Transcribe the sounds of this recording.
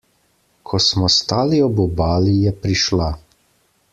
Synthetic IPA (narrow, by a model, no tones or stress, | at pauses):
kʰɔsmɔst̪aːliɔbɔbaːlijɛpɾiʃla